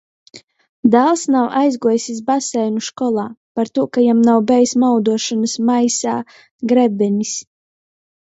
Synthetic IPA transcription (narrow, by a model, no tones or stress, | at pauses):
d̪alˠsnawʔajzɡuɔjsʲis̬basɛjnuʃkɔlˠaːpaɾt̪uɔkajamnawbɛjsmawd̪uɔʃanɐsmajsaː | ɡɾɛbɛnʲis